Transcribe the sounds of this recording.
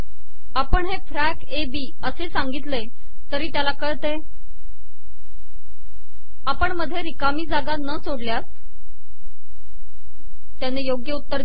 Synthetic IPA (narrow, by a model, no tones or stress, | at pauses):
apəɳɦefɾækebiː | əsesaŋɡit̪le | t̪əɾiːt̪jalakəɭt̪e | apəɳməd̪ʱːjeɾikamiːd͡zaɡanəsoɽljas | t̪janejoɡjəut̪ːəɾ